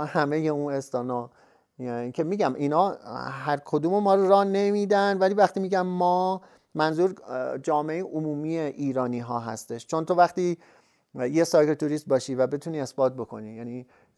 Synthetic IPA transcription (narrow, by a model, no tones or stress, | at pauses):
hæme̞jeũnest̪ɒːnɒː | kʰe̞miːɡæmʔiːnɒːhæɾkʰo̞d̪uːmemɒːɾoɾɒːhne̞miːd̪ænd̪væliːvæxt̪iːmiːɟæmːɒː | mænzuːɾd͡ʒɒːmeejiʔomuːmiːeʔiːɾɒːniːɦɒːɦæ̰st̪e̞ʃt͡ʃʰo̞nt̪ʰo̞væxt̪iː | jesɒːkʰelt̪ʰuɾiːst̪̚bɒːʃiːvæbe̞t̪ʰuːniːe̞sbɒːt̪̚bo̞kʰo̞̰nijæːniː